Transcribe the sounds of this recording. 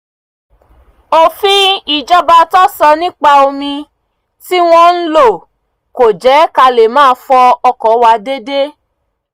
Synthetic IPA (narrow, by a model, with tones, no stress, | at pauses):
o˨fĩ˦i˨d͡ʒɔ˦ba˧tɔ˦sɔ˧nĩ˦k͡pa˧o˧mĩ˧ | ti˦w̃ɔ̃˦n̩˦lo˦˨ | ko˨d͡ʒɛ˨˦ka˧le˨mãː˦˧fɔ˧ɔ˧kɔ˨˦wa˧de˦de˦